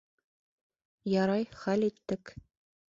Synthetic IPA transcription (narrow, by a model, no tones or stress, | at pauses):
jɑɾɑjχælit̪ːɘk